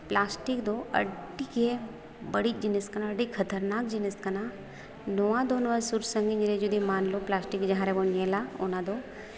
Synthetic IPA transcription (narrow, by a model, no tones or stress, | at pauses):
plaːsʈikd̪oɐ̰ɖike | bəɽid͡ʒinəskɐnaɐɖikʰɐt̪əɾnaːk̚d͡ʒinəskɐna | noʋãd̪oːnʋəsuɾsəŋɡiɲd͡ʒiɾed͡ʒud̪imaːnloplaːsʈikd͡ʒɐ̃ɦãɾebonelao̰nãd̪o